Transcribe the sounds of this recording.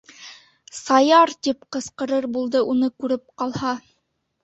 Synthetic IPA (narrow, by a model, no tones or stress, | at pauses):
sɑjɑɾt̪ip̚qɤ̆sqɤ̆ɾɤɾbulˠd̪ɤʔunɤkʉɾɘp̚qɑlˠhɑ